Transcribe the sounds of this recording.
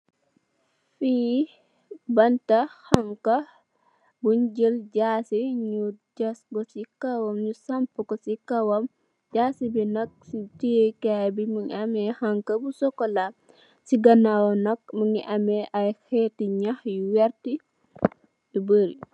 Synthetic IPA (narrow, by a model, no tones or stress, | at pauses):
fi | bɐntahaŋka | buɲd͡ʒəlɟaːsiɲuɟasɡɔsikawɐmɲusampukɔsikawɐm | d͡ʒaːsibinɐk̚sitikajbimuŋamɛhaŋkɐbusɔkːɔla | siɡɐnawɔnɐk̚muŋiʔɐmɛʔajxɛtiɲaxjuwɛɾti | dubəɾi